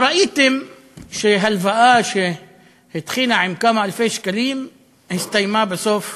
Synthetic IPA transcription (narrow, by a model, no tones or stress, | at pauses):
ɾˤɑʔiːt̪ɪm | ʃeɦalvaʔaːʃe | hɪt̪xiːnaʕɪmkaːmaʔalfeːʃkaliːm | hɪst̪ajmaːbɪsoːf